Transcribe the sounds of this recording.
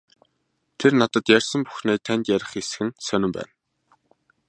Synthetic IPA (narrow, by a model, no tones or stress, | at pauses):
t̪ʰernat̪ə̆t̪jærʲsə̆mpu̥xneːt̪ʰænʲt̪jæɾʲɪ̆χesxɘ̆nsœnʲɪ̆mpæ̰ːn